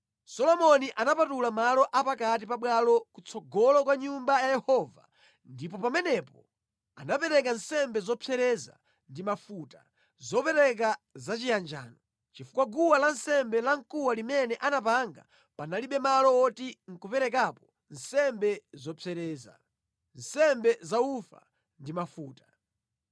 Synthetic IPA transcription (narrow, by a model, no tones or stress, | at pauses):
sɔlɔmɔniʔanapatulamalɔʔapakat̬ipaɓwalɔkut͡sʰɔɡɔlɔkwaɲumbajajɛhɔva̰ | ndipɔpamɛnɛpɔ | anapɛɾɛk̬ansɛmbɛzɔpʰɛɾɛza̰ | ndimafuta | zɔpɛɾɛk̬azat͡ʃijand͡ʒa̰ːnɔ | t͡ʃifu̥kwaɡuwalansɛmbɛlaŋkuwalimɛnɛʔanapaŋɡa̰ | panaliɓɛmalɔɔtiŋ̩kupɛɾɛk̬apɔ | n̩sɛmbɛzɔpʰɛɾɛːza̰ | n̩sɛmbɛzaufa̰ | ndimafuːtḁ